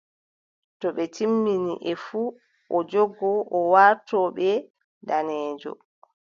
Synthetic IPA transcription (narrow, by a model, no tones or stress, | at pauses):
tɔɓɛtʰimːinḭʔɛfu | ʔɔd͡ʒɔɡɔʔɔwaɾtɔːɓɛ | danɛːd͡ʒɔ̰